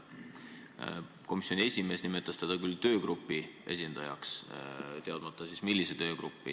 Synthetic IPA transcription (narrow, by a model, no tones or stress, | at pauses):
ko̞misjo̞nʲie̞sʲime̞ːsnimet̪ːˑɑst̪ed̪̥ɑkylt̪ø̞ːɡ̥rupːˑiʔe̞̰s̬ʲind̪̥ɑjɑ̰kst̪e̞ɑd̪mɑt̪ːˑɑsismilːiset̪ø̞ːɡ̥ɾupːḭ